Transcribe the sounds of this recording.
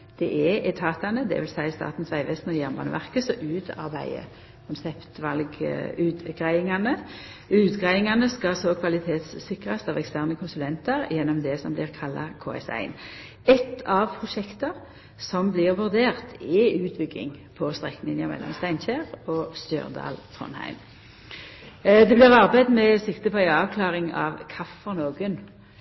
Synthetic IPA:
d̪̥ɛʔɛɛt̪ʰɑːt̪ɑnəd̪ɛ̰ʋɪlsæɪst̪ɑ̰ːt̪n̩sʋæɪʋɛst̪nɔjæʁmbɑːnə̰ʋæʁkəsɔʔʉːt̪ʰɑ̰ʁbæ̰ɪə̰ | kʰʊnsɛpt̪ʋɑlɡʉːt̪ɡʁæɪɪŋɑnə | ʉːt̪ɡʁæɪɪŋɑnəskɑsɔkʰʋɑlɪt̪ʰeːt̪sːɪkʁɑst̪ɑʋɛkst̪æːʁnəkʰʊnsʉlɛnt̪ɑʁjɛnːɔmd̪ɛsɔmblɪʁkʰɑlːɑ̰kʰo̰ːɛ̰sæ̰ɪn | ɛt̪ʰːɑʋpʰʁʊʃɛkt̪əʁ | sɔmblɪʁʋʉʁd̪eːʁt̪ʰɪʉːt̪̚bʏɡɪ̰ŋpʰɔst̪ʁɛkːənɪnɑmɛ̰lːɔ̰mst̪æɪnçæːʁɔst̪ø̰ːʁd̪ɑ̰ːlt̪ʰʁɔ̰nhæ̰ɪm | d̪ɛblɪːʁɑʁbæɪd̪mɛsɪkt̪əpʰɔæɪɑːʋkʰlɑːʁɪŋɑ̰ʋkʰɑfːɔʁnoːɡən

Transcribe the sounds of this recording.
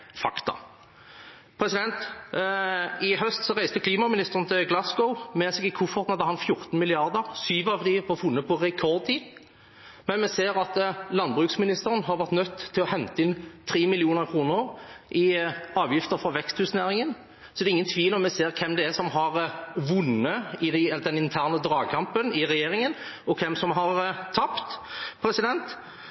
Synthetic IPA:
fɑkt̪ɑ̰ | pʰɾɛsɪd̪ɛnt̪ | ɪɦœst̪sɔɾæɪst̪əkʰliːmɑmɪnɪst̪əʁən̩t̪ʰɪlɡlɑsɡɔʊmɛsɛɡɪkʰʊfɔʁt̪nɑd̪əhɑnfjʊʁt̪n̩mɪlɪɑɾd̪əʁsyːʋɑʋd̪ɪʋɔɾfʉnːəpʰɔɾɛkʰɔʁd̪̚t̪iːd̪ | mɛnmɛseːɾɑt̪lɑnbʁʉksmɪnɪst̪əʁənɦɑɾʋæʁt̪nœt̪ʰːɪlɔhɛnt̪əɪnt̪ʰɾiːmɪlɪuːnəɾkʰɾuːnəɾʔɪɑːʋjɪft̪əɾfɾɑʋɛkst̪ʰʉːsnæːɾɪŋən | sɔd̪ɛɾɪŋːənt̪ʰʋiːlɔmːɛseːɾkʰɛmd̪ɛæsɔmɦɑɾʋʊnːəɪd̪d̪ɛnɪnt̪ʰæːʁnəd̪ɾɑːɡkʰɑmpənɪɾɛjeːɾɪŋənɔkʰɛmsɔmɦɑɾt̪ʰːɑpt̪pʰɾɛsɪd̪ɛnt̪

